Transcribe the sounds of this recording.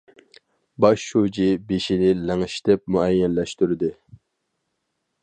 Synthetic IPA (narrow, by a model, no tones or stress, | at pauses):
bɑʃːud͡ʒibeʃinɪlɛŋʃt̪ɛp̚muɛjːɛnlɛʃt̪yɾɪd̪ɪ